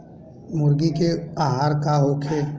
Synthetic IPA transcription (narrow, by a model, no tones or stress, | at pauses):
mʊɾɡikeaːɦaːɾkaɦoːkʰeː